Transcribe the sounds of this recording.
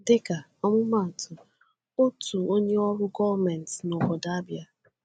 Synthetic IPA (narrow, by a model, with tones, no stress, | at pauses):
dɪ˦ka˨ | ɔ˦mʊ˦ma˦˨tʰʊ˨ | o˦tu˨o˦ɲe˦ɔ˦ɾʊ˦ɡɔ˦vmɛ˨n˨tno˨bɔ˨da˨˦a˦bja˨